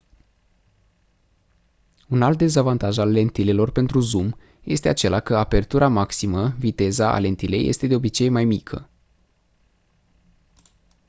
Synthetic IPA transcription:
unalt̪̚d̪e̞zavant̪aʒalːe̞nt̪ile̞lo̞rpe̞nt̪ɾuzum | je̞st̪e̞at͡ʃe̞lakəape̞rt̪uɾamaksiməvit̪e̞zaa̰le̞nt̪ile̞jʔe̞̰st̪e̞d̪e̞o̞bit͡ʃe̞jmajmikʰə̰

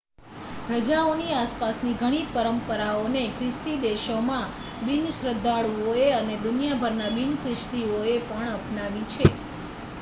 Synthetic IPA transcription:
ɦɾəd͡ʒaoniaspasniɡʱəɽ̃ipəɾəmpəɾaonekʰɾɪst̪id̪eʃomã | binʃɾəd̪ʱːaɭuoeəned̪unijabʱəɾnabinkɾɪʃʈ̪ioepəɳəpnaʋit͡ʃʰe

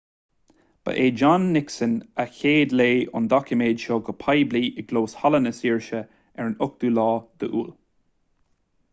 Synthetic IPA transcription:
b̥ə̰ʔeːd͡ʒanːɪksənəçeːd̪leːʊ̰nd̪ɔkəmeːd̪ʃoːɡəpʰajbliːʔɪɡloːshalənəsiːɹʃə | ɛɹənʊk̚d̪̥uːlɑːd̪̥əʔṵːl

